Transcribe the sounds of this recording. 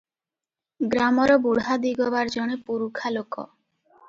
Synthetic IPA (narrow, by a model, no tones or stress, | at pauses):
ɡɾamɔɾɔbuɽɦad̪iɡɔbaɾd͡ʒɔɽ̃epuɾukʰalokɔ̰